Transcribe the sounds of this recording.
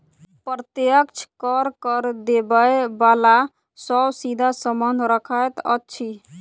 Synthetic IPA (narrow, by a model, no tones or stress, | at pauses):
pɾət̪jəkt͡ʃʰkəɾkəɾd̪ebəebala | səbsid̪ʱasəmənɾəkʰajt̪ə̰tːt͡ʃʰi